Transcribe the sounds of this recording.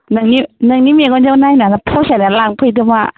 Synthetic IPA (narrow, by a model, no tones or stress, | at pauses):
nɯŋninɯŋnimiɡɔnd͡ʒawnajnalapʰosanalaŋpʰɯjdɯma